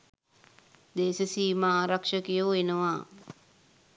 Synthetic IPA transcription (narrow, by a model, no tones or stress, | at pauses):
d̪eːsəsiːmaːɾakʂəkijoːenəʋaː